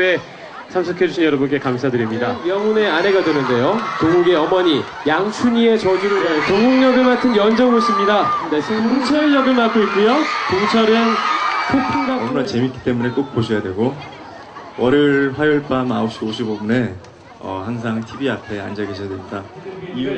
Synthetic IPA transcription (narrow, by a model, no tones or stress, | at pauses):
ne̞ | sʰamsʰɯkʰe̞d͡ʑuɕʰinɲjʌɾʌbunk͈e̞kamsʰadɯɾimɲidamjʌŋune̞ane̞ɡadwenɯnde̞jotoɡuɡe̞ʌmʌɲi | jaŋsʰuɲie̞t͡ɕʌd͡ʑiɾotoɡuŋɲʌɡɯɭmatʰɯnjʌnd͡ʑʌŋoɕʰimɲidanesʰeoŋt͡ɕʰʌjʌɡɯɭmak͈oik͈ujotoŋt͡ɕʰʌɾɯnkʰopʰiŋɡaʌmnat͡ɕe̞mik͈i̥t͈e̞mune̞k͈ok̚p͈oɕʰʌjadwe̞ɡo | wʌɾɯɭɸwajuɭp͈ama̰ok̚ɕ͈ioɕʰibobune̞ | ʌ̰haŋs̬ʰaŋtʰibiapʰe̞a̰nd͡ʑaɡeɕʰʌjadwend͈ai